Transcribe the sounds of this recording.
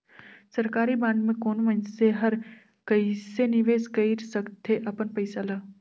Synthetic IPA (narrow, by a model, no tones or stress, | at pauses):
sɐɾkaːɾibãːɳɖmẽkoːnʋənseɦɐɾ | kɐisenɪʋeːskɐiɾsɐkt̪ʰeʔɐpənpɐɪsalaː